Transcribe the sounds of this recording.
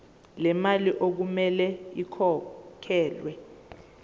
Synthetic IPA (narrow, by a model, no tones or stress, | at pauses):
lɛmaliʔok̬umɛlɛikʰɔkʰɛːlwɛ